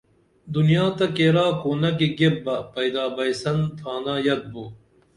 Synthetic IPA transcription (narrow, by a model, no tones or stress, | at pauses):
d̪unijaːt̪ɐkeːɾaːkoːnɐk̬iɡebːɐpɐjd̪aːbɐjsɐnt̪ʰaːnaːjɐd̪̚buː